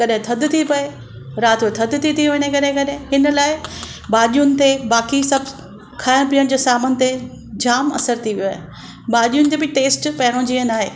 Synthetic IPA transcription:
kɐɗɦɪ̃t̪ʰɐd̪̆t̪ʰipɐe | ɾaːt̪et̪ʰɐd̪t̪ʰit̪ʰiʋɐnekɐɗɦɪ̃kɐɗɦɪ̃ɦɪnə̆laːɪɓaːɗijʊnɪ̆t̪ebaːkisɐb | kʰaːɪɽ̃piːəɽ̃d͡ʑoːsaːmənɪt̪e | d͡ʑaːmɐ̰səɾt̪ʰiʋijoaːɦɪ | ɓaːʄijʊnɪ̆t̪eːbɪʈeːsʈpɐɦɪɽ̃õd͡ʑiːə̃naːɦḛː

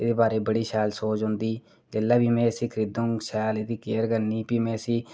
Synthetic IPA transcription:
ɪd̪eːbaːɾeːbəɽiːʃɛːlsoːt͡ʃɦʊ̃nd̪iː | d͡ʒeːlːaːbiːmɛ̃ːsiːkʰɪɾɪd̪ʊ̃ŋʃɛːlɪd̪iːkeːɾɡənːiːpiːmɛ̃ːsiː

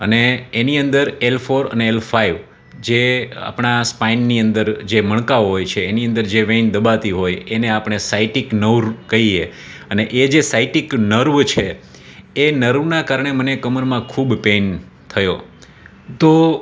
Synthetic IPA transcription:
əneːniənd̪əɾelfʰoɾə̰neelfʰaiʋ | d͡ʒea̰pɳ̃aspainːiə̃nd̪əɾd͡ʒeməɳ̃kaɦojt͡ʃʰeːniə̃nd̪əɾd͡ʒeʋẽnd̪əbat̪iɦojeneapɳ̃esaiʈiknəwɾkəie | əneʔed͡ʒesaiʈiknəɾʋt͡ʃʰe | enəɾʋnakaɾɳ̃emənekəməɾmãkʰubpen | t̪ʰəjo | t̪o

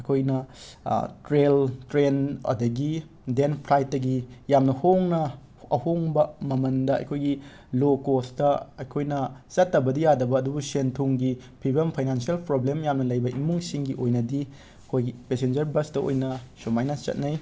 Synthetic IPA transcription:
ɐjkʰojnɐ̰ | tɾeltɾenɐ̰dɐɡi | denpʰɾajt̚dɐɡijamnɐhoŋnɐ | ɐhoŋbɐmɐmɐndɐɐ̰jkʰojɡi | lokostɐɐjkʰojnɐt͡ʃɐtːɐbɐdijadɐbɐːdubusentʰuŋɡipʰibɐmpʰajnansielpɾoblemjamnɐlɐjbɐʔimuŋsiŋɡiʔojnɐdi | ɐkʰojɡipesend͡ʒɐɾbɐstɐo̰jnɐsomajnɐt͡ʃɐ̰t̚nɐj

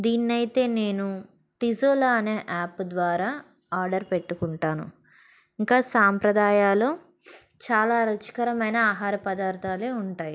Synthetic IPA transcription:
d̪iːnːɐjt̪e̞ːne̞ːnu | ʈizoːlaɐne̞ːʔaːpːd̪ʋaːɾaː | aːɾɖɐɾpeʈːukuɳʈaːnṵ | iŋkaːsaːmpɾɐd̪aːjaːloː | t͡ʃaːlaːɾɐt͡ʃi̥kɐɾɐmɐjnɐaːɦaːɾɐpɐd̪aːɾt̪ʰaːle̞ːuɳʈaːji

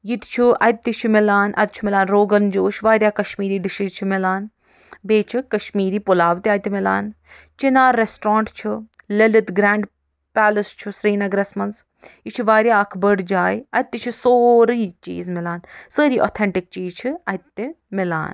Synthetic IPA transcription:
jit̪t͡ʃʰuɐ̰jt̪ːit͡ʃʰimɪlaːnʔɐ̰t̪̚t͡ʃʰumɪlaːnɾoːɡɐnd͡ʒoːʃʋaːɾʲjaːkɐʃmiːɾiːɖiʃizt͡ʃʰimɪlaːn | beːt͡ʃʰikɐʃmiːɾiːpʊlaːʋt̪iaːjt̪imɪla̰ːn | t͡ʃinaːɾːesʈɾãːɳʈt͡ʃʰilelit̪ɡɾaːɳɖ | paːləst͡ʃʰusɾiːnɐɡɾesmɐns | it͡ʃʰuʋaːɾjaːkʰbəɖd͡ʒaːjɐt̪ːit͡ʃʰisoːɾiːt͡ʃḭːzmɪlaːnsəːɾiːʔo̰ːt̪ʰeɳʈik̚t͡ʃiːzt͡ʃʰiɐjt̪ːi | mɪla̰ːn

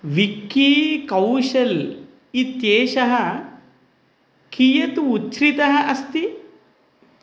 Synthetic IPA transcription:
ʋikːikɐwʂɐl | it̪jeːʃɐɦɐ | kijɐt̪uut͡ʃɾit̪ɐɦɐʔɐst̪i

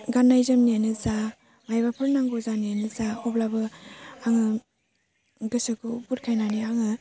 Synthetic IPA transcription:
ɡanːajzamnianɯza | ŋajbapʰɯɾnaŋɡɔzanianɯzaɔblabɯaŋɯ | ɡɯsɯkɯpuɾkʰajnaniaŋɯ

